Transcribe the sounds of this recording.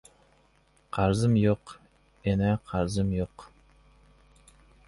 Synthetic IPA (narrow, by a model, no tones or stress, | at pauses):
qʰɑɾzɨmjoq | enɛqʰɑɾzɨmjoq